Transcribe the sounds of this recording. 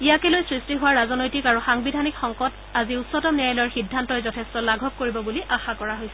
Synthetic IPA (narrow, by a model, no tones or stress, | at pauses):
ijakɛlojsɹistiɦʊwaɹazɔnojtikaɹuxaŋbidʱanikxɔŋkɔt | aziutsɔtɔmniajlɔjɔɹxidʱːantɔjzɔtʰɛstɔlaɡʱɔk̚koɹibɔbuliʔaxakɔɹaɦojsɛ